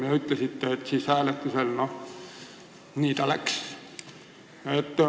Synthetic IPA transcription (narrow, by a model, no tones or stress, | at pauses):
iæyt̪ːæsit̪ːeet̪siːsæːlet̪ːyselno | niːt̪ælæks | et̪ː